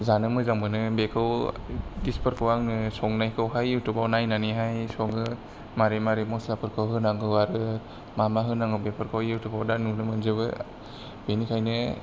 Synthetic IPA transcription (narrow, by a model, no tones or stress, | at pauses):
zanɯmɯzaŋbɯnɯbekʰɯw | dispɯɾkʰɯwaŋnɯsɔŋnajkʰawɦajɯwtɯbawnajnaniɦajsɔŋɯ | maɾemaɾemɔslapʰɯɾkʰɯwɦɯnaŋɯwaɾɯ | mamaɦɯnaŋɡɯwbepʰɯɾkʰawjɯwtʰɯbawdanunɯmɯnzɯβɯ | benikʰajnɯ